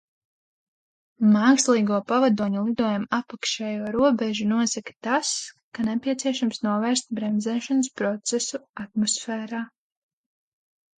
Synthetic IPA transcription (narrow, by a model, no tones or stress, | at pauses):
maːkslˠiːɡuɔpavad̪uɔɲulˠid̪uɔjamapakʃɛːjuɔɾuɔbɛʒunuɔsakḁt̪askanepiɛt̪siɛʃamsnuɔvɛːɾst̪̚bɾɛmzɛːʃanspɾɔt̪sɛsuat̪̚mɔsfɛːɾaː